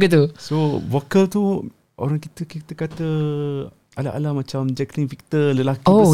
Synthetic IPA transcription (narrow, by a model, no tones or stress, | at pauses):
ɡit̪usovokəlt̪u | ʔo̰ɾaŋkit̪əkit̪əkat̪ə | ala̰ʔa̰lahmãt͡ʃamd͡ʒɛkliŋfik̚t̪ələlakio